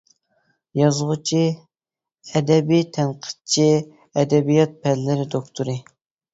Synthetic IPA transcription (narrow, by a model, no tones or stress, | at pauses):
jɑzʁʊt͡ʃʰi | ɛd̪ɛbijt̪ʰɛnqʰə̥d̪̚t͡ʃʰi | ɛd̪ɛbijɑt̪̚pʰɛllɪɾɪd̪okt̪ʰuɾɨ